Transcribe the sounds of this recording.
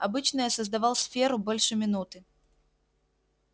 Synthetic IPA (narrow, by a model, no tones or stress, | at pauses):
abɨt͡ɕnɨjəsəzd̪ɐvalˠsfʲeɾʊbolʲʂɨmʲɪnut̪ɨ